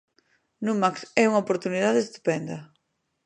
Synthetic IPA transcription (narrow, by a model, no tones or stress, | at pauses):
numaksɛuŋɐopoɾt̪uniðaðest̪u̥pɛnd̪ɐ